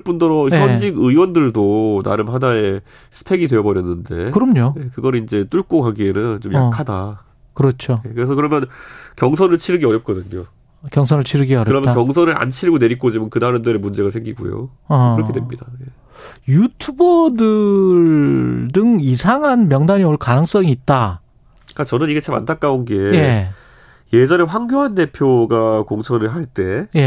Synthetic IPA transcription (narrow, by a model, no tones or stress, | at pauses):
ɭp͈undʌɾoçjʌd͡ʑiɡɯwʌndɯɭdona̰ɾɯmɦanae̞ | sʰɯ̥pʰe̞ɡidwe̞ʌbʌɾjʌnːɯnde̞kɯɾʌmɲojekɯɡʌɾiind͡ʑe̞t͈uɭk͈oɦaɡienɯnt͡ɕomja̰kʰada | kɯɾʌt͡ɕʰoje̞kɯɾesʰʌkɯɾʌmjʌnkjʌŋs̬ʰʌnɯɭt͡ɕʰiɾɯɡiʌɾjʌp̚k͈ʌdɯɲo | kjʌŋsʰʌnɯɭt͡ɕʰiɾɯɡiʌɾjkɯɾʌmjkjʌŋsʰʌnɯɾa̰nt͡ɕʰiɾiɡone̞ɾik͈od͡ʑimankɯnaɾɯmdɯɾemund͡ʑe̞ɡasʰeŋɡiɡṵjo̰ | ʌɯɾʌkʰedwemɲidaje̞ | jutʰubʌdɯɭdɯŋisʰaŋɦanmjʌŋdaɲioɭkanɯŋs͈ʌŋiːt̚t͈a | kat͡ɕʌnɯniɡe̞t͡ɕʰama̰ntʰak͈aonɡe̞je̞ | je̞d͡ʑʌne̞ɸwaŋɡjoɦante̞pʰjoɡakoŋsʰʌnɯɭɦaɭt͈e̞je̞